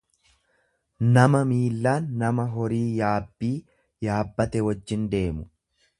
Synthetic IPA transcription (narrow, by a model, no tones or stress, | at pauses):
nɐmɐmiːlːaːnːɐmɐɦɔɾiːjaːbːiː | jaːbːɐt̪ɛwɔd͡ʒːɪnd̪e̞ːmʊ